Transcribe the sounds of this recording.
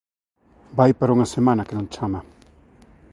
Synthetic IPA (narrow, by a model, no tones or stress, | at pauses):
baipaɾoŋasemanakelaŋt͡ʃʰama